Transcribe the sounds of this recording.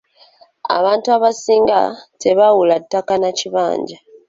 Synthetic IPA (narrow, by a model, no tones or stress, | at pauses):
a̰βaːntuaβasiːŋɡa̰tʰe̞βawulatːakanaciβa̰ːɲɟa